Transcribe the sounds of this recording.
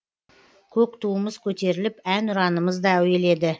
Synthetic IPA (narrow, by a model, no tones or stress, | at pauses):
kʲʰɵkt̪ʰuəməz̥kʲʰɵt̪e̞ɾɪlɪpænʊɾɑnəməzd̪ɑɵjele̞d̪ɪ